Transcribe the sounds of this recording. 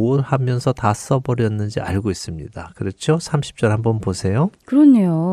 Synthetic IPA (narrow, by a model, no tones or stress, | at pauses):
oɭhamjʌnsʰʌtas͈ʌbʌɾjʌnːɯnd͡ʑia̰ɭɡois͈ɯmɲidakɯɾʌt͡ɕʰjosʰamɕʰi̥p̚t͡ɕ͈ʌɭhambʌnposʰe̞jokɯɾʌɲejo